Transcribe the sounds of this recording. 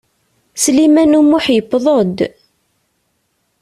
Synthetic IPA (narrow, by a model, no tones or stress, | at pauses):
slimænumːʊħjəpːðˤod̪